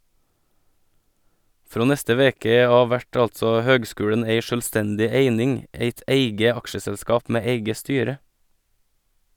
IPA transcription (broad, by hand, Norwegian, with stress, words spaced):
ˈfɾoː ˈnɛstə ˈʋeːkə ˈɑːʋ ˈʋæʈ ˈɑltsɔ ˈhøːɡˌskʉːɽəɳ̩ ˈeɪ ʃœlˈstɛndɪ ˈeɪnɪŋ ˈeɪt ˈæɪɡə ˈɑkʃəsɛlˌskɑːp ˈmeː ˈeɪɡə ˈstyːɾə